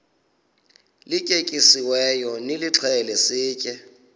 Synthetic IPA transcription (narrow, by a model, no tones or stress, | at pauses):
lɪkʼekʼisiwɛjɔnɪlɪt͡ɬʰɛlɛsɪːkʼɛ